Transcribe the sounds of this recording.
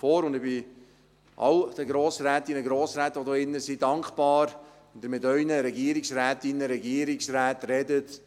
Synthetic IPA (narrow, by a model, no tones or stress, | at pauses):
fɔːɾʊnd̪ɪbɪ | ʔɑ̰wd̥əɡɾoːsɾæːtɪnəɡɾoːsɾæːt̪ʋod̪oːɪnːəsidɑŋkχpɑːɾ | ʊnd̪əɾmɪtœʏnəɾɛɡiːəɾɪksɾæːtɪnːəɾɛɡiəɾɪksɾæːtrɛdət